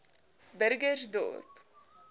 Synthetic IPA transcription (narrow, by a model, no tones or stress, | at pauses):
bəɾɡərsdɔ̰ːrp